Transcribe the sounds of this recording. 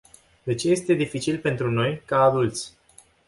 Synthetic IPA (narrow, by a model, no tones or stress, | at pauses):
d̪e̞t͡ʃe̞je̞st̪e̞d̪ifit͡ʃilpe̞nt̪ɾuno̞jkaːd̪ult̪sʲ